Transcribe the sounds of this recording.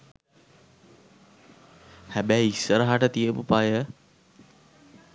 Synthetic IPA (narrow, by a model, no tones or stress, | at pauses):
hæbæːisːəɾəɦaʈət̪iəpupajə